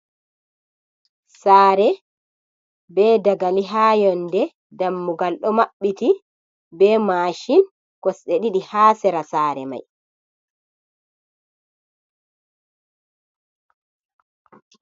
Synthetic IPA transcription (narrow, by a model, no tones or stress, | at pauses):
saːɾɛ | bɛːdaɡaliɦaːjɔndɛ | damːuɡalɗɔmaɓːiti | bɛːmaʃin | kɔsɗeɗiɗihaːsɛɾasaːɾɛ̰ma̰j